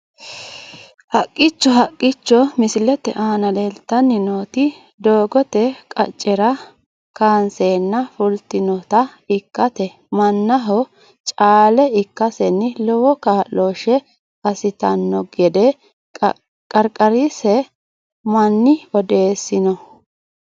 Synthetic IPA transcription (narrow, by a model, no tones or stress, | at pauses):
hɐkʼːɪt͡ʃːɔɦɐkʼːɪt͡ʃːɔmɪsɪlɛt̪ɛ̰ʔaːnɐleːlt̪ːɐnːɪnoːt̪ɪ | d̪o̞ːɡɔt̪ɛkʼɐ̰t͡ʃʼːɛɾɐ | kaːnseːnːɐfʊlt̪ɪnɔt̪ɐɪkːɐt̪ɛ | mɐnːɐɦɔ | t͡ʃʼaːlɛɪkːɐsɛnːɪlɔwɔkaːʔoːʃɛ | ɐsɪt̪ɐnːɔɡɛd̪ɛ | kʼɐɾkʼɐɾisɛ | mɐnːɪɔd̪e̞ːsːɪnɔ